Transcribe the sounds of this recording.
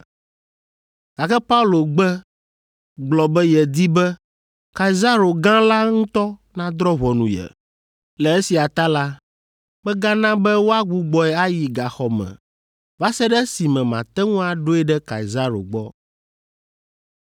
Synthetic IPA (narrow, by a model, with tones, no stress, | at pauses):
ɡ̥a˨kɛ˦pa˦u˦lo˨ɡ͡bɛ˦ | ɡ͡blɔ˨bɛ˦jɛ˨d̪i˦bɛ˦ | ka˨i˨za˦ɾo˨ɡã˦la˦ŋũ˦t̪ɔ˦nã˦d̪ɾɔ˦βɔ˨nũ˨jɛ̰˨ | lɛ˨e˦si˨a˨t̪a˦la˦ | bɛ˦ɡa˦nã˦bɛ˦wo˦a˦ɡ͡bu˦ɡ͡bɔ˨ɛ˨a˦ji˨ɡa˨xɔ˨mɛ̰̃˨ | va˦sɛ˦ɖɛ˦si˨mɛ̃˨mã˨t̪ɛ˦ŋũ˦a˨ɖo˦ɛ˦ɖɛ˦ka̰˨i˨za˦ɾo̰˨ɡ͡bɔ˦